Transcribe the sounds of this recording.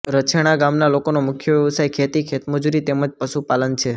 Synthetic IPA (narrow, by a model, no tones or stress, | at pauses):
ɾət͡ʃʰeɽ̃aɡamnalokonomʊkʰjəʋjɛʋsajkʰet̪ikʰet̪məd͡ʒuɾit̪eməd͡ʒpəʃupalənt͡ʃʰe